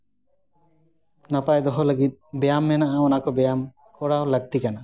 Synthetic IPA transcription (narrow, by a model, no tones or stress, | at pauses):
napajd̪ɔɦɔləɡit̪̚ˀbɛjamːɛnaʔaɔnakɔbɛjam | kɔɽaowləɡ̚t̪ikana